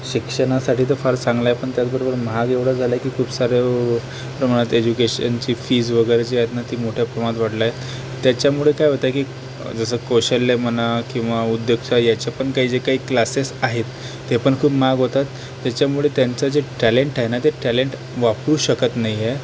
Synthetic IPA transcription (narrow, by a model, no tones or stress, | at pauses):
ɕikʂəɽ̃asaʈʰiːt̪əfaɾt͡sãŋɡlajepəɳt̪jat͡sbəɾobəɾmɦaɡeʋɽ̤əd͡zʱalakiːkʰuːpsaɾe | pɾəmaɽ̃at̪ed͡ʑukeɕənt͡ɕiːfiːd͡zʋəɡəɾet͡ɕijat̪nat̪iːmoʈʰjapɾəmãt̪ʋaʈlaje | t̪jat͡ɕjamuɭekajɦot̪akiː | d͡zəsəkoɕəlːemənakĩw̃ʋaud̪joɡt͡ɕajat͡ɕapəɳkaɦiːd͡zekaɦiːklasesaɦet̪ː | epəɳkʰuːpmaɡɦot̪at̪ː | jat͡ɕjamuɭet̪jant͡sad͡zeʈæleɳʈaɦenat̪eʈæleɳʈ | ʋapɽuːɕəkət̪naɦije